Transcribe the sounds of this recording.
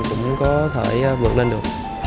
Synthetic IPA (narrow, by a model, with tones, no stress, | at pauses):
kʊ̰˧˥wŋ͡mkɔ˨˦t̪ʰe˧˩jvɨ̰ː˨˩ək̚lə˧nɗɨ˨˩ək̚